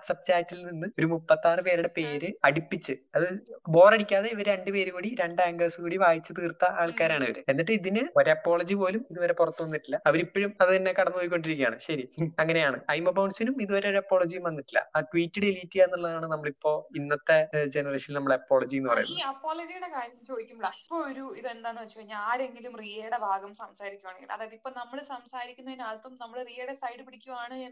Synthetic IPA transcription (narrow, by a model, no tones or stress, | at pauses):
sɐb̚t͡ɕaːtːilninːɨo̞ɾumupːɐt̪ːaːrɨpe̞ːɾuɽe̞pe̞ːɾɨɐɽipːit͡ɕːɨɐðɨbo̞ːreɽikʲːaːðe̞iʋɐɾeɳɖɨpeːɾukuːɽiɾe̞ɳɖaːŋɡɐːsɨkuːɽiʋaːjit͡ɕːɨt̪iːrt̪ːɐaːɭkaːɾaːɳiʋɐ̰ɾɨ̰e̞nːiʈːɨiðinɨoɾeɐpːo̞ːɭɐd͡ʑipo̞ːlumiðuʋɐɾe̞purɐt̪ːuʋɐnːiʈːilːɐɐʋɐɾipːoɻumɐðɨt̪ɐnːekɐɽɐnːuʋɐjikʲːo̞ɳɖiɾikʲːja̰ːɳɨɕɐɾiɐŋːɐne̞jaːɳɨɐjmɐpɐwɳɖsinumiðuʋɐɾe̞oɾɐpːoːɭɐd͡ʑijumʋɐnːiʈːilːɐ̰aːʈwiːtːuɽeiliːtːiajnːuɭːɐðaːɳɨnɐmːɐɭipːo̞ːinːɐt̪ːed͡ʑenɐreːɕɐnilnɐmːɐɭeɐpːo̞ːɭɐd͡ʑienːɨpɐrɐ̰jṵnːɐɐpːo̞ːɭɐd͡ʑijuɽe̞kaːɾjɐmt͡ɕo̞ːd̪ikʲːumbɐɭɐipːoːɭoɾuiðuend̪aːjnɨʋɐt͡ɕːɐɐɲːaaːɾe̞ŋɡilumrijeːɽebʱaːɡɐmsɐmsaːɾikʲːuʋaːɳeŋɡilɐ̰ðaːjɐðipːo̞ːnɐmːɐɭsɐmsaːɾikʲːunːɐðinaːðt̪ːonːnɐmːɐɭrijeːɽesɐjɽɨpiɽikʲːuʋɐaːɳɨɲaːn